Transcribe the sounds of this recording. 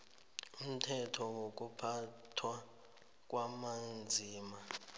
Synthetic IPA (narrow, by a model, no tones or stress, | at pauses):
um̩tʰɛtʰɔwok̬ʼupʰatʰwa | k̬ʼwamand͡zʱiːma